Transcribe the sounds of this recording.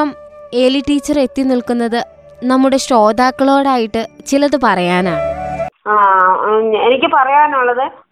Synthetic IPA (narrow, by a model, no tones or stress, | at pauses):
ɐme̞liʈiːt͡ɕːɐre̞t̪ːinilkunːɐðɨ | nɐmːuɽe̞ɕro̞ːd̪aːkːɐɭo̞ːɽaːjiʈːɨt͡ɕilɐðɨpɐrɐjaːnaː | aː | enikʲːɨpɐrɐjaːnuɭːɐðɨ